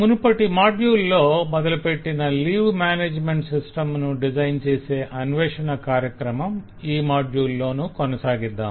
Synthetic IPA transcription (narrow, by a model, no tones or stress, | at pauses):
munupɐʈːimaːɖjuːlːo̞ːmɔd̪ɐlupeʈːinɐliːʋmaːneːd͡ʒmeɳʈsisʈɐmnuɖid͡ʒɐjnt͡ʃeːse̞ːʔɐnʋɛːʂɐnɐkaːɾjɐkɾɐmɐm | iːmaːɖjuːlːo̞ːnukɔnɐsaːɡid̪ːaːm